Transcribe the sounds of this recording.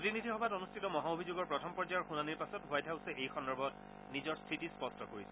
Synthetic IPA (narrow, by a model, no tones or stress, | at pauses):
otinidʱixɔbʱatonustʰitɔmɔɦaobʱizoɡɔɹpɹɔtʰɔmpɔɹd͡ʒajɔɹxunaniɹpasɔtwajdɦaʊsɛejxɔndɔbʱɔt | nizɔɹstʰitispɔstʰɔkoɹisɛ